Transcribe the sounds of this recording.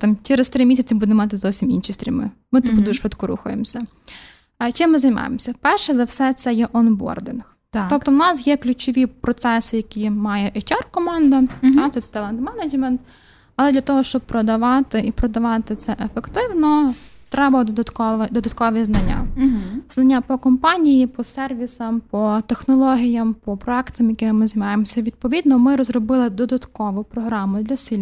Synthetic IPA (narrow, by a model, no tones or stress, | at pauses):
t̪ɑmt͡ʃɛɾest̪ɾɪmisʲɐt͡sʲibud̪nmɑt̪ɪzɔwsʲiminʃist̪ɾʲimɪ̰mɪt̪ud̪uʒʃʋɪt̪kɔɾṵxʊ̰jemsʲɐ | t͡ʃɪmːɪzɐjmɑ̰jḛmsʲɐpɛrʃɛzɐwsɛt̪sɛjɛʔɔnbɔ̰rd̪ɪnx | t̪t̪ɔpt̪ɔwnɑsjɛklʲʉt͡ʃɔʋʲipɾɔt̪sɛsɪjɐkʲimɑjɛʔɛt͡ʃʲɑrkɔmɑnd̪ɐt̪at̪sɛt̪ɛlˠɛnd̪mɛnɐd͡ʒmɛnt̪ | ɐlˠɛd̪lʲɐt̪ɔɦɔʃt͡ʃɔb̚pɾɔd̪ɐʋɑt̪ɪʔipɾɔd̪ɐʋɑt̪ɪt̪sɛʔefekt̪ɪwnɔt̪ɾɛbɐd̪ɔd̪ɐt̪kɔʋd̪ɔd̪ɐt̪kɔʋʲiznɐnʲːa̰znɐnʲːapɔkɔmpɑnʲijipɔsɛrʋʲisɐmpɔt̪exnɔlˠɔɦʲijɐmpɔpɾɔɛkt̪ɐmjɐkɪmɪmɪzijmɑjemɔsʲɐʋʲid̪̚pɔʋʲid̪nɔmɪɾɔzrɔbɪlˠɪd̪ɔd̪ɐt̪kɔʋʊpɾɔɦɾɑmʊd̪lʲɐsʲilʲ